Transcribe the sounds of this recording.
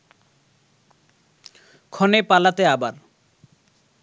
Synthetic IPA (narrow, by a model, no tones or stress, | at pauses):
kʰɔnepalat̪eabaɾ